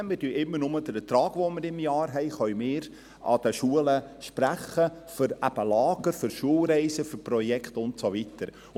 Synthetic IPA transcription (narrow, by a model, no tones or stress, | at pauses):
mɪdyʔɪmːəɾnʊməd̥̪əɾət̪ɾɑːɡ̥ʋomɪɾɪmjɑːɾɦɛɪχœʏmɪːɾ | ɑ̰d̥əʃuələʃpɾæχə | fʏɾæb̥əlɑːɡəɾfʏɾʃuəlɾɛɪsəfʏɾprɔjɛkχtʊntsovitəɾ